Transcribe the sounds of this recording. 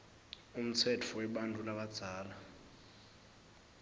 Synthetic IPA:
um̩t͡sʰɛtʰɔwɛɓantʼulaɓad̥z̥ʱaːla

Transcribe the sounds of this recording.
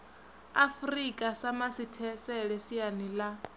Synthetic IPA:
afrikʼasamasitʰɛsɛɺɛsianila

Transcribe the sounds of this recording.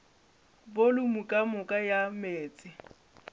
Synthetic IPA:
bolʊmukʼamʊkʼajameːt͡sʼɪ

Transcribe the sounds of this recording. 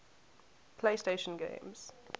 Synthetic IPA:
pʰl̥eɪsteʃə̃nɡḛ̃ɪ̃mz̥

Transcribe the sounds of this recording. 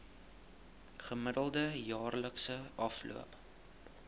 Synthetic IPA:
χəmədəlˠdəjɑːrləksəɐflṵəp

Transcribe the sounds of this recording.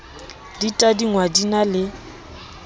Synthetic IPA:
ditʼadiŋwadinalɪ

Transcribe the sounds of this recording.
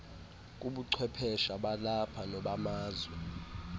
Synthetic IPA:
k̬ʼuɓuǀʰwɛpʰɛʃaɓalapʰanɔɓamaːzwɛ

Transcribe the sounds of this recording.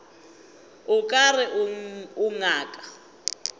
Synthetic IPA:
ʊkʼarɪʔuŋaːkʼḁ

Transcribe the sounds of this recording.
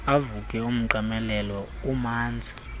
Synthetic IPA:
avukʼɛum̩ǃamɛlɛlɔumaːnd͡zʱi̥

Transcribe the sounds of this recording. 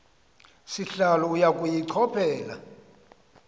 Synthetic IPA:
siɬalɔujakʼujiǀʰɔpʰɛːla̰

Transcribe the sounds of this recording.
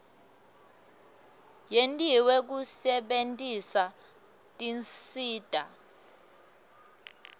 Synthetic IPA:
jentʼiwek̬usɛɓentʼisa | tʼinsiːd̥ʱa

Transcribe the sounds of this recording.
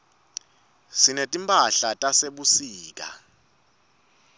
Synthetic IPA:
sinetʼimpʼaɬatʼaseɓusiːk̬ʼa̰

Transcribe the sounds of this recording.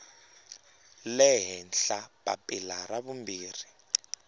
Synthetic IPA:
lɛɦɛnɬapa̰pʼilaraβumbiːri

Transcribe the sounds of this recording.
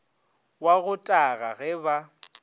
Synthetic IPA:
waɣʊtʼaɣaɣɛba

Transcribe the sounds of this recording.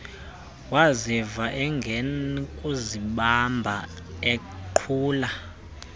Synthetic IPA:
wazivaʔɛŋɡʱɛnkʼuziɓambʱa | e | ǃʰuːla

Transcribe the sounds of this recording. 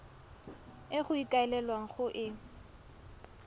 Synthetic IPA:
ɪχʊikʼaɛlɛlwaŋ̩χʊʔɪ

